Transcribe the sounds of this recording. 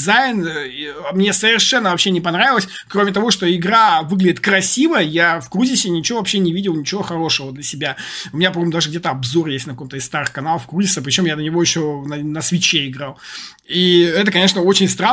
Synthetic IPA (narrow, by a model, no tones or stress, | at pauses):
zajɪn | mnʲe̞səvʲɪrʂɛnːəvɐpɕːenʲɪpɐnɾavʲɪlˠəsʲ | kɾomʲɪt̪ɐvo̞ʂt̪o̞ɪɡɾavɨɡlʲɪdʲɪt̪̚kɾɐsʲivəjafkɾuzʲɪsʲɪnʲɪt͡ɕɪvovɐpɕːenʲɪvʲidʲɪlˠnʲɪt͡ɕɪvoxɐɾo̞ʂɨvəd̪lʲəsʲɪbʲaʊmʲɪnʲapɾɐmomd̪aʐɨɡdʲet̪əɐbzo̞rjesʲtʲnɐkɐko̞mt̪əɪst̪aɾɨxkɐnalˠəfkɾuzʲɪsəp̬ɾʲɪt͡ɕo̞mjad̪ənʲɪvo̞jɪɕːonənəsvʲɪt͡ɕeɪɡɾalˠ | iɛt̪əkɐnʲeʂnəo̞t͡ɕɪnʲst̪ɾa